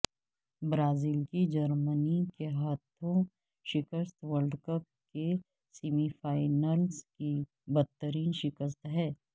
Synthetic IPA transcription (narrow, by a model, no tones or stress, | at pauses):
bɾaːziːlkid͡ʒəɾmənikeɦət̪ʰõ | ʃɪkəst̪ʋəɾɖkək | ke | simifaːɪnəlski | bəd̪̚t̪ːəɾiːnʃɪkəs̬t̪ɦɛː